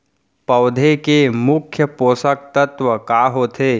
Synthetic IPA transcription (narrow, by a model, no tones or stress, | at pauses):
pɐwd̪ʱekemʊkʰːjəpoːsək̚t̪ɐt̪ʋəkaːɦoːt̪ʰeː